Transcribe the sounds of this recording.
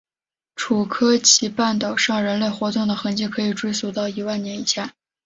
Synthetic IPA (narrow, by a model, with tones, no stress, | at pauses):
ʈ͡ʂʰu˨˩kʰɤ˥t͡ɕʰi˧˥pa˥˩nt̪ɑ˨˩ʊʂɑ˥˩ŋɻə˧˥nle˥˩ɪxwɔ˧˥t̪ʊ˥˩ŋd̪ə˩xɤ˧˥ŋt͡ɕi˥˩kʰɤ˧˥i˨˩ʈ͡ʂwe˥ɪsu˧˥t̪ɑ˥˩ʊi˧˥wa˥˩njɛ˧˥ni˨˩ɕja˥˩